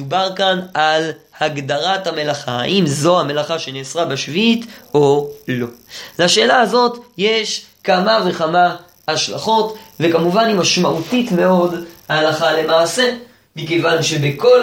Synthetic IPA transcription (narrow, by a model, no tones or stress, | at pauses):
ubaʁkanal | haɡd̪aʁathame̞laχaa̰ʔimzo̞hame̞laχaʃe̞neːsʁabeʃvit̪o̞lo̞laʃe̞ːlahazo̞tjeʃkamaveχama | haʃla̰χo̞tve̞kamuvanimaʃmaʔutitme̞o̞dhaːlaχale̞maʕːse̞ | mikevanʃebeko̞